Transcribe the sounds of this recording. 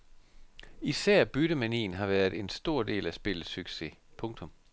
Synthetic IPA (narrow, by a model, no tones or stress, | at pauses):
isæɐ̰b̥yɾ̥əmænḭːn̩ɦɑ̈ʋæːɐðˠe̝nsd̥o̝ɐ̰d̥e̝̰ːlæsb̥e̝ləsyɡ̥se̝̰pʰɔ̽ŋt͡sʰɔ̽m